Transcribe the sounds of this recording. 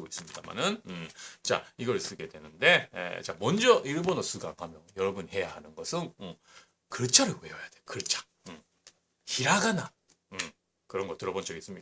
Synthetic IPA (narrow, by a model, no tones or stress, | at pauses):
ɡois͈ɯmɲidama̰nɯnɯt͡ɕa̰iɡʌɾs͈ɯɡe̞dwe̞nɯnde̞ḛt͡ɕamʌnd͡ʑʌʔiɭbonʌsʰuɡaŋhamjʌjʌɾʌbunhe̞jaɦanɯnɡʌsʰɯnɯ | kɯɭt͡ɕʰaɾɯweʌjad̥ejokɯɭt͡ɕʰḁ | ɯm | çiɾaɡana | ɯm | kɯɾʌnɡʌtɯɾʌbʌnd͡ʑʌɡis͈ɯmɲi